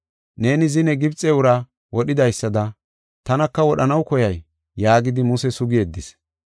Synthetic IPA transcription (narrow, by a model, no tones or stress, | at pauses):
ne̞ːnɪzɪnɛɡɪbt͡sʼːɛʊɾɐ | wɔɗɪd̪ɐjsːɐd̪ɐ | t̪ɐnɐkːɐwɔɗɐnɐwkɔjɐjː | aːɡɪd̪ɪmʊsɛsʊɡɪeːd̪ːɪs